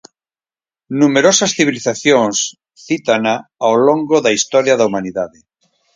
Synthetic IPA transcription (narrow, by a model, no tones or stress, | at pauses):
numeɾosɐsθiβ̞iliθaθjoŋs | θit̪anaawloŋɡoðaist̪ɔɾjaðɐumaniðaðɪ